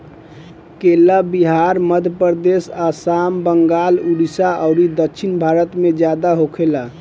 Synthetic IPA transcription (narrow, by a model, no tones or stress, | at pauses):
kelabiɦaɾməd̪ʱəpəɾd̪esasambəŋɡaluɽisaʔəʊɾid̪ətːt͡ʃʰinbʱaɾət̪med͡ʒjad̪aɦokʰela